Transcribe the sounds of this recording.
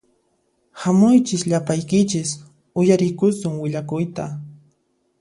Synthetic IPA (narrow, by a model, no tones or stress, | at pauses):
hamʊjt͡ʃɪsʎapajkɪt͡ʃɪs | ʊjaɾɪkʊsʊŋwɪʎakʊjt̪a